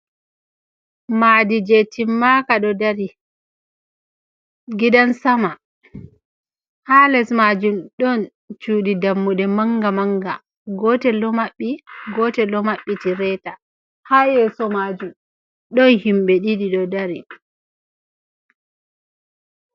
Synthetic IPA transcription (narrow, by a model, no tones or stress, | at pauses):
madid͡ʒetimːakaɗɔdaɾi | ɡidansama | halɛsmad͡ʒumɗɔn | t͡ʃuːɗidamːuɗɛmaŋɡamaŋɡa̰ | ɡɔtɛlɔmaɓːiɡɔtɛlɔmaɓːitiɾɛta | haːjɛsɔmad͡ʒum | ɗɔnhimɓɛɗiɗiɗɔdaɾi